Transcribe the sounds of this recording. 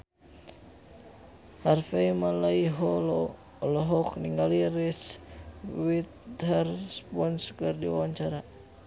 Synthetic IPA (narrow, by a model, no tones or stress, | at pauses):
harfajmalaiɦɔlɔ | lɔɦɔkniŋɡaliɾis | wit̪̚hɛrspɔnskərdiwa̰waɲt͡ʃaɾa